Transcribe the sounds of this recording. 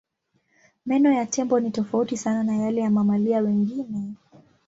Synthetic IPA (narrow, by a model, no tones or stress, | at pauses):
mɛnɔjatʰɛmbɔnitɔfautisananajalɛjamamaliawɛŋɡinɛ